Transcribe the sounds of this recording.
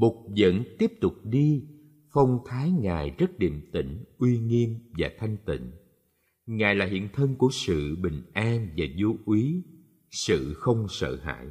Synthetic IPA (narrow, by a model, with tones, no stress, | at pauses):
mʊ˨˩k͡p̚zə̰˧˨nt̪i˦˥əp̚t̪ʊ˨˩k͡p̚ɗi˧ | fə˧wŋ͡mt̪ʰaː˨˦jŋaː˨˩jzə˦˥t̚ɗḭ˧˨əmt̪ï˧˩ŋ̟ʔwi˧ŋi˧ənvaː˨˩t̪ʰa˧jŋ̟t̪ḭ̈˧˨ŋ̟ | ŋaː˨˩jlaː˨˩hḭ˧˨ənt̪ʰə˧ŋku˧˩əsɨ̰˧˨ɓï˨˩ŋ̟ʔaː˧nvaː˨˩zo˨˧ʔwi˨˦ | sɨ̰˧˨xə˧wŋ͡msə̰ː˧˨ha̰ː˧˨j